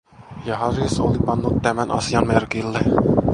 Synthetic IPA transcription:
jɑhɑrjɑso̰lipɑnːut̪ːæmænʔɑ̰sijɑnmerkilːe

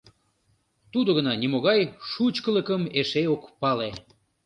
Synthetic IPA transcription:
t̪ud̪oɣənɑnʲimoɣɑjʃut͡ɕkələkəmeʃejokpɑle

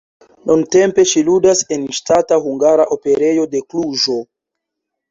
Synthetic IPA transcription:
nunte̞mpe̞ʃiludase̞nʃtataɦuŋɡaɾaʔo̞pe̞ɾe̞jo̞de̞kluʒo̞

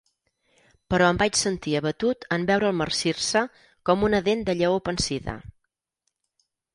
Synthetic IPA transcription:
pəɾɔəmbat͡ʃsənt̪iəβət̪ut̪əmbɛwɾəːlˠmərsirsə | kɔmunəðend̪əʎəopənsiðə̰

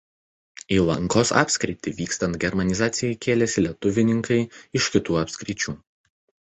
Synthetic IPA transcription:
iːlˠɐ̰ŋkoːsɑ̰ːpʲsʲkɾʲɪt̪ʲiʋʲiːkst̪ɐnt̪̚ɡʲɛɾmɐnʲɪzɑːt̪sʲɪjɛɪkʲʰeːlʲɛsʲɪlʲɛt̪ʊʋʲɪnʲɪŋkɐɪɪʃkʲɪt̪uːɐpʲsʲkɾʲɪt͡ʃʲuː

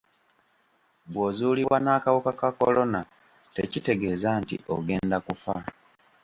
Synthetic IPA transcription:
bwo̞ːzuːliβwwanaːkawukakako̞̰lo̞na | te̞̰cite̞ɡe̞ːzantḭʔo̰ɡe̞ːndakufa̰

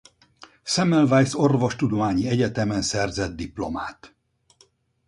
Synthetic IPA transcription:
sɛmɛlvajso̞rvo̞ʃt̪ud̪o̞maːɲiɛɟɛt̪ɛmɛnsɛrzɛd̪̚d̪iplo̞̰maːt̪

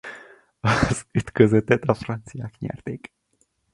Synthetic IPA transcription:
ɒz̥yt̪køzøt̪ɛt̪ɒfrɒnt̪sijaːkɲɛ̰rt̪eːk

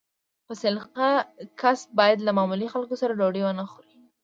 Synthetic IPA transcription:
pəsɪlqakasbɑjad̪lamamulixalkosaɾaloɖewənaxoɾi

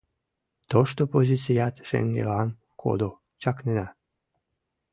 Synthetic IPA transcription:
t̪oʃt̪opozʲit͡sijat̪ʃḛŋɡḛlan | kʰo̰d̪o | t͡ʃaknena

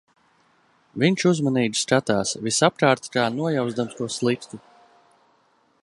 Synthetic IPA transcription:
viɲʲt͡ʃuzmaniːɡ̪ʲskat̪aːsvisap̚kaːɾt̪kaːnuɔjawzd̪amst̪uɔslˠikt̪u

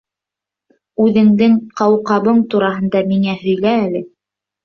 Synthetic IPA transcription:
ʉðɘ̆ŋd̪ɘŋqɑwqɑβɤɴt̪uɾɑɦɤ̆nd̪ɑmiŋæɦɵ̆jlæːlɘ

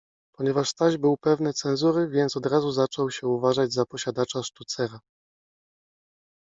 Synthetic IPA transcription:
pɔɲɛvaʂst̪aʑbɘwpɛvnɛt̪sɛnzuɾɘvʲjɛnt̪sɔd̪ɾazuzat͡ʂɔwɕɛuvaʐad͡ʑzapɔɕad̪at͡ʂaʂt̪ut̪sɛɾa

